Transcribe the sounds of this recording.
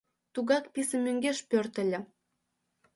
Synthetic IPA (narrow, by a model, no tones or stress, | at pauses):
t̪uɣɑkpisə̆mːøŋɡeʃpørt̪ə̆lʲə̆